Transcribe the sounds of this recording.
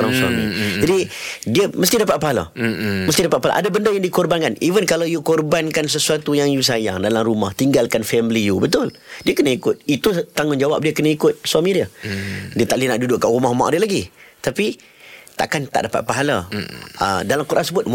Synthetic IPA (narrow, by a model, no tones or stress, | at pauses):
oɾaŋswa̰mḭ̃d͡ʒadidiəməst̪idapat̪̚paɦala̰məst̪idapat̪̚pala̰ʔa̰dabəndəjaŋdikɔrbankanivənkalawjukɔrbankans̬əsuat̪ujaŋjus̬aja̰ŋdalamɾumaht̪iŋɡalkanfɛmlijubət̪ʊl | diəkənəikʊt̪̚it̪ut̪aŋʊnd͡ʒawa̰p̚diəkənəikʊt̪̚suamĩdiədiət̪aʔlinaʔdudʊʔkːaʔumaɦma̰ʔdilaɡit̪api | t̪a̰ʔkant̪a̰ʔdapa̰t̪̚paɦala̰ʔə̰dalamkuɾʔansəbʊt̪̚m